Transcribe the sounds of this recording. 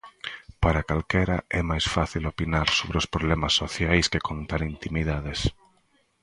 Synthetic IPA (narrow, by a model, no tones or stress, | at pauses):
paɾakalkɛɾa̰ʔɛmajsfaθilopinaɾsoβɾeospɾoβlɛmasːoθjajskekont̪anint̪imiðaðes